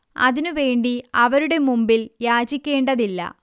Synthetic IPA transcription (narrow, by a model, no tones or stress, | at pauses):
ɐ̰ðinuʋe̞ːɳɖiɐʋɐɾuɽe̞mumbiljaːd͡ʑikʲːe̞ːɳɖɐðilːɐ̰